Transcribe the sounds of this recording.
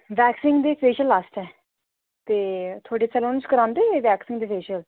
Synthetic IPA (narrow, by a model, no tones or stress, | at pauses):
ʋɛːksɪ̃ŋɡd̪eːpʰeːʃəlaːsʈɛː | t̪eːt̪ʰoːɖeːt͡ʃəloːnt͡ʃkəɾãːnd̪eːeʋɛːksɪ̃ŋɡd̪eːpeːʃəl